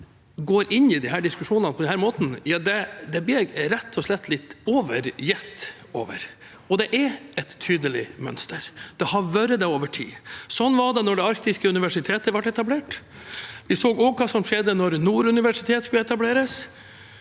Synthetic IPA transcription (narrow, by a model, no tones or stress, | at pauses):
ɡoːɾɪnːɪd̪ɪɦæːɖɪskʉʂuːnnpʰɔd̪ɛnhæːɾmoːt̪n̩jɑd̪ɛd̪ɛblɪɾɛt̪ʰːɔslɛt̪ːlɪt̪ːoːʋəɾjɛt̪ː | o̰ːʋə̰ɾ | ɔd̪ɛʔɛɾɛt̪ʰːyːd̪əlɪmœ̰nst̪əɾd̪̥ɛhɑʋɑːɾəd̪ɛoːʋəʈʰḭːsɔnːʋɑɖɛnɔɖɛɑɾkt̪ɪskəʉnɪʋæʂɪt̪ʰeːt̪əʋɑʈːɛt̪ɑbleːʈ | ʋɪsoːɡoːɡkʰɑːsɔmʂɛd̪ːənɔɾnuːɾʉnɪʋæʂɪt̪ʰeːt̪skʉlɛt̪ɑbleːɾəs